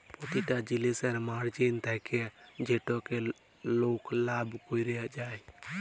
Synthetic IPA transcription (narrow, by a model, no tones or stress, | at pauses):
pɔt̪iʈad͡ʒilesəɾmaɽd͡ʒent̪ʰɛked͡ʒeʈɔke | loːklaːbkoiɾed͡ʒaːj